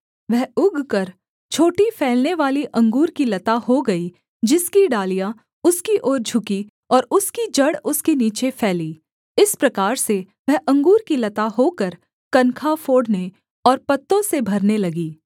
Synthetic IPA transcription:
ʋɛɦʊɡʱkɐɾ | t͡ʃʰoːʈifʰɛːlneʋaːliʔɐ̃ŋɡuːɾkilɐt̪ahoɡɐi | d͡ʒɪskiɖaːlijã | ʊskiʔoːɾd͡ʒʱʊki | ɔːɾʊskid͡ʒɐɽʊskeniːt͡ʃepʰɛːliː | ɪspɾɐkaːɾse | ʋɛɦʔɐ̃ŋɡuːɾkilɐt̪aɦokəɾ | kɐnkʰafoːɽne | ɔːɾpɐt̪ːõsebʱɐɾnelɐɡiː

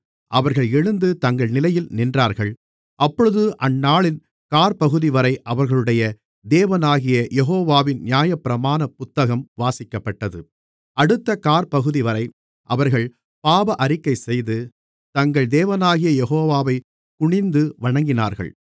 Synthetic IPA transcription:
ʔɐʋɐɾɣɐɭɛɻɯnd̪ɯt̪ɐŋɡɐɭnɪlɐjɪlnɪndraːɾɣɐɭ | ʔɐpːɔɻɯðɯʔɐnːaːɭɪn | kaːɾpɐɣɯðɪʋɐɾɐɪʔɐʋɐɾɣɐɭɯɽɐjɐ | d̪eːʋɐnaːɣɪjɐjɛɦoːʋaːʋɪnnjaːjɐpːɪɾɐmaːnɐpʊt̪ːɐɣɐmʋaːsɪkːɐpːɐʈːɐðɯ̰ | ɐɽɯt̪ːɐkaːɾpɐɣɯðɪʋɐɾɐɪ | ʔɐʋɐɾɣɐɭ | paːbɐʔɐɾɪkːɐɪsɛjðɯ | t̪ɐŋɡɐɭd̪eːʋɐnaːɣɪjɐjɛɣoːʋaːʋɐɪ | kʊɳɪnd̪ɯʋɐɳɐŋɡɪna̰ːɾɣɐ̰ɭ

